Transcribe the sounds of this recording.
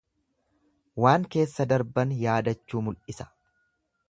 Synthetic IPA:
waːŋke̞ːsːɐd̪ɐɾbɐnjaːd̪ɐt͡ʃːuːmʊlʔɪsɐ̥

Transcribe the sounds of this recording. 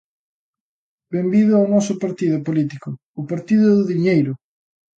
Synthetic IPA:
bembiðʊawnɔsʊpaɾt̪iðʊpolit̪ikʊ | ʊpaɾt̪iðʊðʊðiɲejɾʊ

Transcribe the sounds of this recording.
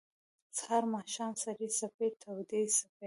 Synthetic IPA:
t͡shaɾmɑʃɑnsaɾisapet̪ʰawd̪esape

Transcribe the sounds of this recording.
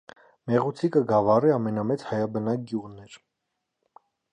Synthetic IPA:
mɛʁut͡sʰikəɡɑvɑriɑmɛnɑmɛt͡shɑjɑbənɑk̚ɡjuʁnɛɾ

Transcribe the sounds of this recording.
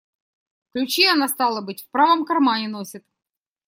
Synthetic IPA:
klʲʉt͡ɕiɐnast̪alˠəbɨtʲfpɾavəmkɐrmanʲɪnosʲɪt̪

